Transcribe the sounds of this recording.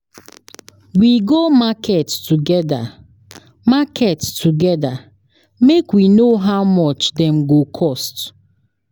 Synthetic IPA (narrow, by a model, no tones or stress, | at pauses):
wiɡomakʰettuɡɛda̰ | makettʰuɡɛda | mekwinoɦaʊmɔt͡ʃdɛm̩ɡokʰɔst